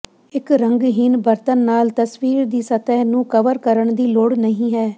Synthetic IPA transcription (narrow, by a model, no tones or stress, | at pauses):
ɪkɾəŋɡɦinbəɾt̪ənːaːlt̪əsʋiːɾd̪iːsət̪ɛːnũːkəʋəɾkəɾəɳd̪iːloɽnəɦĩːɦɛː